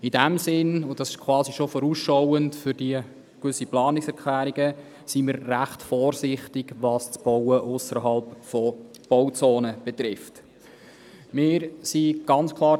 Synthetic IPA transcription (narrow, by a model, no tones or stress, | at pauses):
idæmsɪnʊd̥ɑsɪʃkʰwɑːsiʃofɔɾuːsʃɔwəntfʏɾdiə | kʋʏsːiplɑːnɪksɛɾkʰlæːɾiɡə | simɪɾːæχtfɔːɾsɪχtɪɡʋɑst͡sb̥ɔwəʔʊsəɾɦɑlpfɔ | b̥ɔwt͡soːnəb̥ɛt̪ɾɪft | mɪːɾsiɡ̥ɑnt͡skʰlˠɑː